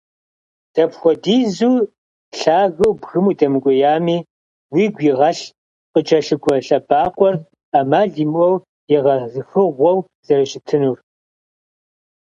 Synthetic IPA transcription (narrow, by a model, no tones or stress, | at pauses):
d̥ɐpxʷɔdiːzuː | ɬaːɣɨwbɣɨmuːdɐmɨkʷʼɔjaːmiː | wiːɡʷjiʁɐɬ | qʼət͡ʃʼɐɬɨɡʷɔɬɐbaːqʷʼɔr | amaːɮiːmʷɔw | jɪʁɐzɨxɨʁʷɔw | z̥ɐɾɐʃʼɪtʰɨnuːr